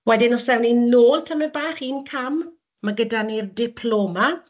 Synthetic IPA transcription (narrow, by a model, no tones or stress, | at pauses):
wɛdɪnɔsɛwninoːlˠtʰəmɛbaːχiːnkʰam | maɡədanirdɪpʰloːma